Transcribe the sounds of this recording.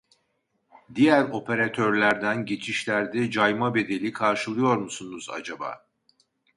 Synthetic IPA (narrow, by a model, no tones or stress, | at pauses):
d̪ijæɾo̞pʰe̞ɾat̪ʰøɾlʲæɾd̪ænɟe̞t͡ʃʰiʃlʲæɾd̪ɛd͡ʒajmabe̞d̪e̞lʲikʰaɾʃɯlˠɯjo̞ɾmusunuza̰d͡ʒaba̰ː